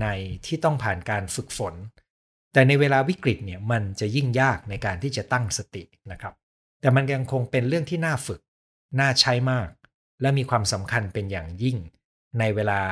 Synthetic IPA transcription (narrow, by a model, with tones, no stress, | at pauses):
na˧jt̪ʰiː˥˩t̪ɔ˥˩ŋpʰaː˨˩nkaː˧nfɯ˨˩k̚fo˩˦n | t̪ɛː˨˩na˧jweː˧laː˧wi˦˥kɾi˨˩t̪̚ni˥˩əma˧nt͡ɕa˨˩ji˥˩ŋjaː˥˩k̚na˧jkaː˧nt̪ʰiː˥˩t͡ɕa˨˩t̪a˥˩ŋsa˧t̪i˨˩ | na˦˥kʰɾa˦˥p̚ | t̪ɛː˨˩ma˧nkja˧ŋkʰo˧ŋpe˧nɾɯ˥˩əŋt̪ʰiː˥˩naː˥˩fɯ˨˩k̚ | naː˥˩t͡ɕʰa˦˥jmaː˥˩k̚ | lɛ˦˥miː˧kʰwaː˧msa˩˦mkʰa˧npe˧njaː˨˩ŋji˥˩ŋ | na˧jweː˧laː˧